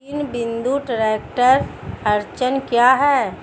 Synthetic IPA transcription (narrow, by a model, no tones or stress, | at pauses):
inbɪ̃nd̪uʈəɾeːk̚ʈəɾɐɾt͡ʃənkjaɦɛː